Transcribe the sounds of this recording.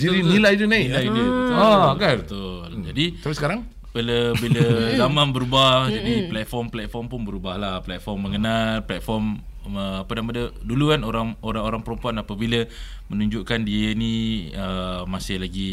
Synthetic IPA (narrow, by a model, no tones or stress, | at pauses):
d͡ʒiɾinilajdunaiilajdubət̪ɡabət̪ʊld͡ʒadiapisəkaɾaŋ | bələbiləzamãnbəɾubahd͡ʒadipəlɛt̪̚fɔmplɛt̪̚fɔrmpʊnbəɾubahlahplɛt̪̚fɔrmːəŋənalplɛt̪̚fɔrm | əapadampadədulukanoɾaŋoɾaŋoɾaŋpəɾəmpuanapabilə | mənuɲd͡ʒuʔkandiəniəmasɪhlaɡi